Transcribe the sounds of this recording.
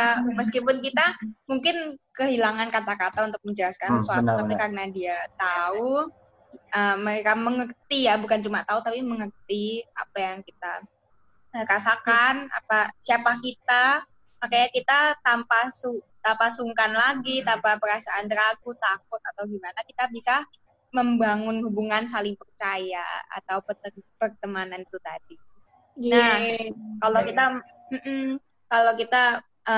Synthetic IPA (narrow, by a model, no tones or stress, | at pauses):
aməskipʊnkit̪amuŋkɪnkəɦilaŋankat̪akat̪aunt̪ʊk̚məɲd͡ʒəlaskansəsuat̪ut̪apikarnadiat̪au | əməɾekaməŋərt̪ijabukant͡ʃumat̪aut̪apiməŋərt̪ia̰pajaŋkit̪a̰ | əɾasakana̰pasiapakit̪a | makajɲakit̪at̪ampasut̪ampasuŋkanlaɡit̪ampapəɾasaʔːnt̪əɾaɡut̪ak̚ʊt̪̚at̪awɡimanakit̪abisa | məmbaŋʊnhubuŋansalɪŋpərt͡ʃaja̰a̰t̪awpəəpərt̪əmanant̪ut̪adi | na | kalokit̪a | m̩ʔm̩ | kalokit̪a | ʔə